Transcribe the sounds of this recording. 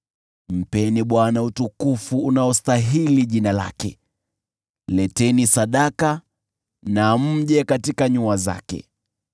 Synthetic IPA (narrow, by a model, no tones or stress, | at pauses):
m̩pɛniɓwanautukufuunaɔstaɦiliʄinala̰kɛ | lɛtɛnisaɗaka | nam̩ʄɛkatikaɲuaza̰kɛ̰